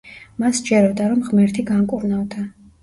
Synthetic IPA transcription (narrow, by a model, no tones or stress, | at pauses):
masd͡ʒɛɾɔd̪aɾɔmʁmɛɾt̪ʰiɡaŋkʼuɾnavd̪a